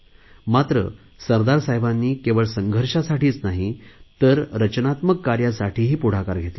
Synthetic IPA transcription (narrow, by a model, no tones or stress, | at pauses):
mat̪ɾə̰ | səɾd̪aɾsajbanːiːkeʋəɭsəŋɡʱəɾʂasaʈiːt͡snaɦit̪əɾɾət͡ɕnat̪məkːaɾjasaʈiːɦiːpuɽ̤akaɾɡʱet̪lə